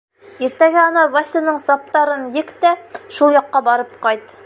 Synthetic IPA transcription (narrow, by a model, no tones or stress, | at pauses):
iɾt̪æɡɘɑnɑvasʲɤnɤɴsɑp̚t̪ɑɾɤnjɘkt̪æʃulˠjɑqːɑbɑɾɤp̚qɑjt̪